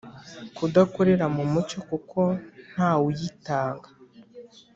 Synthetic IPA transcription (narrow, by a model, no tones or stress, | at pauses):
kudakoɾe̞ɾamumut͡ʃo̞kukʰo̞n̥haːwujitaːŋɡḁ